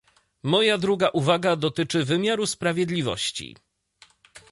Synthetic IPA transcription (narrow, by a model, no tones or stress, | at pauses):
mɔjad̪ɾuɡaʔuvaɡad̪ɔt̪ɘt͡ʂɘvɘmʲjaɾuspɾavʲjɛd̪lʲivɔ̰ɕt͡ɕḭ